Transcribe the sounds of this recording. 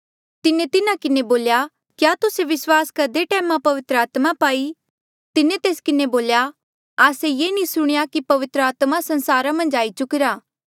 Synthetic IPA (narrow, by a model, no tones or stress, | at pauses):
t̪ɪnẽt̪ɪnãkɪneboːlja | kjaːt̪ʊseʋɪswaːskɐɾd̪eʈɛːmãpɐʋɪt̪ɾəaːt̪mapaːi | t̪ɪnẽt̪eːskɪneboːlja | aːsejeːnĩsʊɽ̃jakipɐʋɪt̪ɾəaːt̪masɐ̃nsaːɾãmɐ̃nd͡ʒaːit͡ʃʊkɪɾaː